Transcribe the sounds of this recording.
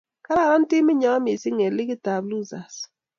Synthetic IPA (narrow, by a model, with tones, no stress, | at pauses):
ka˦la˦˨ɾa˦n˦tɪ˦mɪ˦ɲɔ˨ɔ˦mɪ˨sɪ˦ŋɛ˨lɪ˦kɪ˦ta˨blu˦za˨s